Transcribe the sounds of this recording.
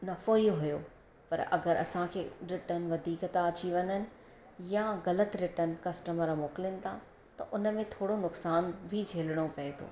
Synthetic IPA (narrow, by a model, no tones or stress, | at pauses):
nɐfoːiɦʊjo | pɐ̰ɾɐ̰ɡəɾɐ̰sãkʰeːɾɪʈənʋɐd̪ʱiːkt̪ãɐt͡ɕiʋɐɲənɪ̆ | jãɣɐlət̪ɾɪʈən̆kɐsʈəməɾmoːkɪlənɪ̆t̪ʰa | t̪ɐ̰ʔʊnə̆mẽt̪ʰoːɽonʊksaːnbʱid͡ʑʱeːlɽ̃opɐet̪ʰo̰ː